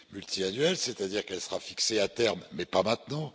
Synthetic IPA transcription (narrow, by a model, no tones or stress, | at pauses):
mylt̪ʰianɥɛlsɛt̪ad̪iʁkɛlsəʁafikseat̪ɛʁmːɛpamɛ̃t̪nɑ̃